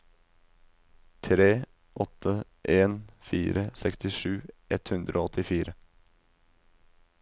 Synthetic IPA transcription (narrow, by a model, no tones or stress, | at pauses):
t̪ʰɾeː | ʔɔt̪ʰːə | ʔeːnfiːɾəsɛkst̪ɪʂʉːʔɛt̪hʉnd̪ɾʔoːɔt̪ɪfiːɾə